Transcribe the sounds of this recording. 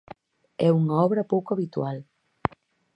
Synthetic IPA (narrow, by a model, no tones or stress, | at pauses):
ɛuŋaɔβɾɐpowkoaβit̪wal